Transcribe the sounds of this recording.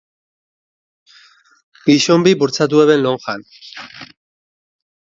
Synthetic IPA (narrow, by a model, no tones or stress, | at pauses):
ɡiʃombibuɾt͡sat̪̬ueβe̞nloŋxan